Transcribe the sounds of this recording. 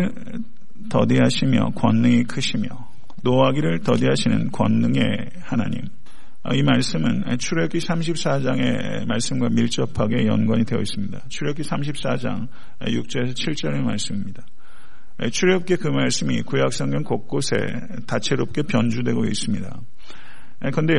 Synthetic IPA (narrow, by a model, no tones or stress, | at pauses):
ɭ | tʌdiɦaɕʰimjʌ̰kwʌnːɯŋikʰɯɕʰimjʌ | noɦaɡiɾɯɭtʌdiɦaɕʰinɯnkwʌnːɯŋe̞ | hanaɲḭm | ʌ̰imaɭs͈ɯmɯnt͡ɕʰuɾek͈ʰisʰamɕ̬ʰip̚s͈ad͡ʑaŋe̞̰ | maɭs͈ɯmɡwamiɭt͡ɕ͈ʌpʰaɡe̞jʌ̰nɡwaɲidwe̞ʌis͈ɯmɲidat͡ɕʰuɾekʰisʰamɕ̬ʰip̚s͈ad͡ʑa̰ŋ̰ | juk̚t͡ɕ͈ʌɾesʰʌt͡ɕʰiɭt͡ɕ͈ʌɾemaɭs͈ɯmimɲida | t͡ɕʰuɾeop̚k͈e̞kɯmaɭs͈ɯmikujak̚s͈ʌŋɡʌnkok̚k͈osʰe̞̰ | tat͡ɕʰe̞ɾop̚k͈e̞pjʌnd͡ʑudwe̞ɡoḭs͈ɯmɲida̰ | kɯnde̞